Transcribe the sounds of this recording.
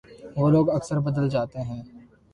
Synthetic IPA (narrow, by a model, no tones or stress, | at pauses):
ʋoːloːɡɐksəɾbɐd̪əld͡ʒaːt̪eɦɛ̃ː